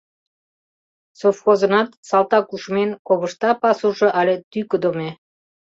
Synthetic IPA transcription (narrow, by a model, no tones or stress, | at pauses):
sofxozənɑt̪sɑlt̪ɑkuʃmenkoβə̆ʃt̪ɑpɑsuʒŏʔɑlʲet̪ykəd̪omʲe